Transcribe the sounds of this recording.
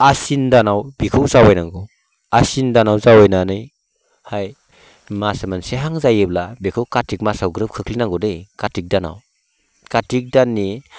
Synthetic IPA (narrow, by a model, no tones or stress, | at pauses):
asindanawbikʰɯwzawajnaŋɡɔ | asindanawzawajnanɯj | haj | masamanseɦaŋzajɯblabikʰɯwkatik̚masawɡɾɯp̚kʰɯkʰlinaŋɡɔdɯjkatik̚dana̰w | katik̚danːi